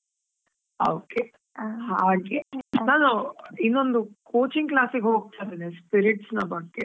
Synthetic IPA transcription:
oːke | haːɡenaːnuinːond̪ukoːt͡ʃiŋɡklaːsiɡeɦoːɡ̚t̪ajd̪inespiɾiʈsnɐbɐɡːe

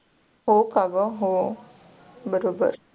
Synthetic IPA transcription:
ɦoːkaːɡəɦoː | bəɾoːbə̰ɾ

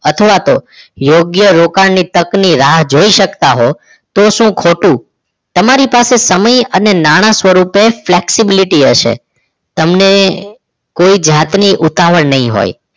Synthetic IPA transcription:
ət̪ʰəʋat̪ojoɡjəɾokaɳnit̪əkniɾaɦd͡ʒoiʃəkt̪aɦo | t̪oʃũkʰoʈũ | t̪əmaɾipasesəməjənenaɽ̃ãsʋəɾupefleksibiliʈiəʃḛ | t̪əmne | koid͡ʒat̪niʔut̪aʋəɳnəɦĩɦo̰j

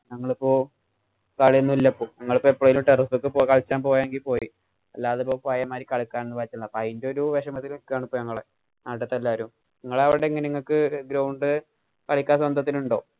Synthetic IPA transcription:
nɐŋːɐɭipːo̞ː | kɐɭjenːuilːɐpːoːnɐŋːɐɭɨpːoːepːoɭɐʋilumʈerifokːɨpoːkɐɭt͡ɕːaːnpo̞ːjaːeŋɡilpo̞ːji | ɐlːaːðɨpo̞ːpajɐmaːɾikɐɭikːaːnenːɨpaːɾit͡ɕːiund̪apːɐjindoɾuʋeʂɐmɐt̪ːilumikːɨjaːɳɨpːoːnɐŋːɐɭe | naːʈɐt̪ːɐlːaːʋɐɾum | niŋːɐɭɐʋiɽeŋːɐneiŋːɐɭkɨɡɾɐwɳɖɨ | kɐɭikʲːaːs̬wɐnd̪ʱɐt̪̬ːiluɳɖo̞ː

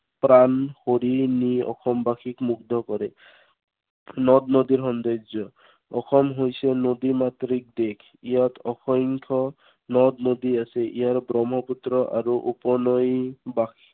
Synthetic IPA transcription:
pɾanhoɾiniɔ̰xʰɔmbakʰikmukd̪ʱɔkɔɾɛ | nɔd̪nod̪iɾɦɔnd̪ed͡ʒɔ | ɔxʰɔmɦojsenod̪imat̪ɾik̚d̪ekʰ | ijat̪ɔxɔŋkʰɔ | nɔd̪nod̪iasɛʔijaɹbɾɔmɦɔput̪ɾɔʔa̰ɾuʔupɔnɔjbakʰi̥

